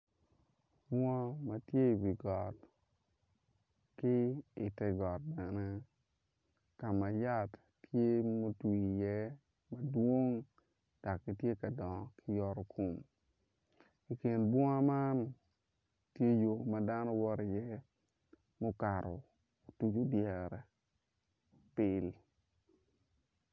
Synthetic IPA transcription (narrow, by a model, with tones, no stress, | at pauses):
bwɔ˦a˦ma˦tje˦i˨wi˨ɡɔ˨t | kɪ˦ɪ̰˨tɛ˦ɡɔ˨t̚bɛ˨nɛ˦ | ka˨ma˨ja˦tː | je˦mo˦twi˨jɛ˦ | ma˨dwo˦ŋ | d̥a˨kːi˨tje˦ka˨dɔ˨ŋɔ˦kʰɪ˦jɔ˦ɾɔ˦kʰo˨m | i˨ke˨nbwɔ˦ŋa˦ma˦n | tje˦jo˨ma˦da˦nɔ˦wɔ˦ɾɪ˨jɛ˦ | mo˦ka˨ɾɔ̰˨ | o˨tu˦d͡ʒo˨djɛ˨ɾɛ˨ | pɪ˦l